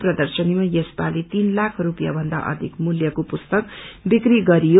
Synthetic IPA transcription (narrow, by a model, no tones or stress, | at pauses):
prʌd̪ʌrsʌnimajʌsbalit̪inlakʰrupja̰bʱʌnd̪a̰ʔʌ̰d̪ʱikmuljʌkopust̪ʌkbikriɡʌɾijo